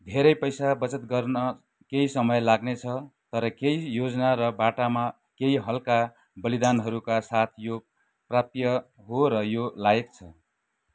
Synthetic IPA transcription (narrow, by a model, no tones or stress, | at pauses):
d̪ʱeɾʌjpʌjsabʌt͡sʌt̪̚ɡʌrnʌ | keisʌmʌjlaɡnet͡sʰʌt̪ʌɾʌkeijod͡zʌnaɾʌbaʈama | keiɦʌlka | bʌlid̪anɦʌɾukasat̪ʰjo | prap̚t̪jʌ | ɦoɾʌjolaek̚t͡sʰʌ